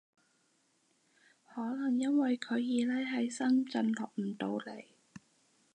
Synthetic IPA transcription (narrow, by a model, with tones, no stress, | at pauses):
hɔː˨˥lɐ˨˩ŋjɐ˥nwɐ˨jkʰɵ˨˧ɥjiː˨˧lɛː˥ɦɐ˨˥jsɐ˥ŋt͡sɐ˧nlɔː˨˩k̚m̩˨˩t̪o˧wle˨˩j